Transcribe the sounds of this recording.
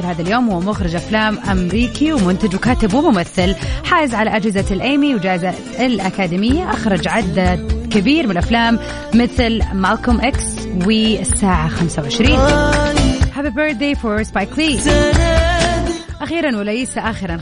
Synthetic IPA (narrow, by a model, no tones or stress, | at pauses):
lhaːðaljoːmhuːmʊxɾɪd͡ʒʔaflaːmʔamɾiːkiwmʊnt̪ad͡ʒwkaːt̪ɪbwɪmʊmaθːɪlħaːjɪzʕalaʔad͡ʒhɪzalʔeːmiwd͡ʒaːʔɪza | ɪlʔakaːd̪imɪjːaʔaxɾˤɑd͡ʒʕɪd̪ːakɪbiːɾmɪnʔaflaːmː | ɪθlmalkʊmʔɪks | wɪɪsːaːʕaxamsawʕɪʃɾiːn | haːðibəɾd̪eːfɔɾspajkliː | ʔaxiːɾanwɪlajiːsaʔaxɪɾan